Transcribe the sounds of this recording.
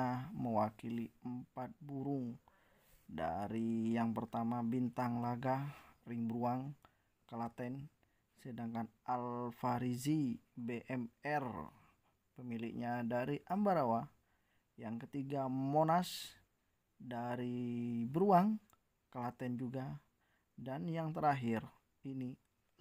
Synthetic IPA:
aməwakiliəmpat̪̚buɾʊŋ | da̰ɾijaŋpərt̪amabint̪aŋlaɡariŋbəɾuaŋ | kəlat̪ɛn | sədaŋkanalfaɾizibeʔɛmɛr | pəmilɪk̚ɲadaɾiʔambaɾawa | jaŋkət̪iɡamonas | daɾibəɾuaŋ | kəlat̪ɛnd͡ʒuɡa | danjaŋt̪əɾaɦɪr | ini

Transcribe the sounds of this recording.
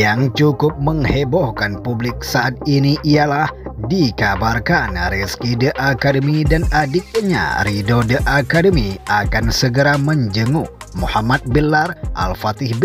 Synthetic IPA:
jaŋt͡ʃukʊp̚məŋhebɔhkanpublɪk̚saʔat̪̚iniʔialahdikabarkanɾɛskidəʔakadəmidanʔadɪk̪̚ɲa̰ridodəʔakadəmiakansəɡəɾaməɲd͡ʒəŋʊh | muhamat̪̚bəlarʔa̰lfat̪ɪhb

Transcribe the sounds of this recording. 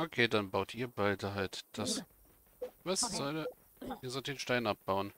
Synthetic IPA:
ʔokʰeːdanbaʊtʰʔiːɐbaɪdəɦaltd̥as | vasz̥ɔl | ʔiːɐzɔltd̥eːnʃtaɪnʔap̚b̥aʊən

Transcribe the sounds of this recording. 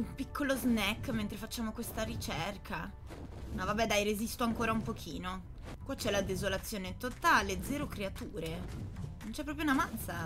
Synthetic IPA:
umpikːoloznɛkːment̪ɾefat͡ʃːaːmokwest̪aɾit͡ʃɛrkʰa | navabɛd̪ajɾezist̪oaŋkoːɾaumpokʰiːno | kwat͡ʃːɛlad̪ezolat̪sːjoːnet̪ot̪aled̪zɛːɾokɾeat̪uːɾenont͡ʃɛpːɾɔːpɾjounamant̪sa

